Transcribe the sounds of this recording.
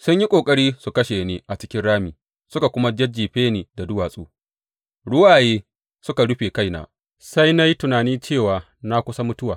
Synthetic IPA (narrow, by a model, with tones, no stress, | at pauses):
sʊ˦ɲji˦kʷʼoː˨kʼɐ˦ɽiː˦su˨kɐ˦ʃeː˨niː˦ʔa˨t͡ʃɪ˦kʲɪ˦ɽaː˦miː˨ | sʊ˦ka˨kʷʊ˦ma˦d͡ʒɐ˦d͡ʒiː˨ɸeː˦niː˨da˨dʊ˦waː˨sʼṵː˦ | ɽʊ˦waː˨jeː˦ | sʊ˦ka˨ɽʊ˦ɸeː˨ka˦jna̰ː˨ | sa˦jna˦ji˦tʊ˨naː˨niː˦t͡ʃeː˦˨waː˨ | na˦kʷʊ˦sa˦mʊ˦tʊ˦waː˨